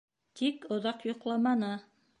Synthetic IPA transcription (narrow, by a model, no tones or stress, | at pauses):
t̪ikŏðɑqjŏqlˠɑmɑnɤ